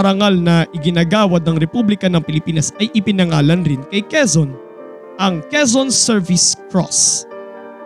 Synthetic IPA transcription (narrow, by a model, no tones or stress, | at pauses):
ɐɾɐŋalnɐʔɪɡɪnaːɡaːwɐd̪̚nɐŋɾɛpublɪkɐnɐŋpɪlɪpiːnɐsɐjʔɪpɪnɐŋaːlɐnɾɪnkɐjkɛzon | ʔɐŋkɛsonsɛɹvɪskɹɔ̰s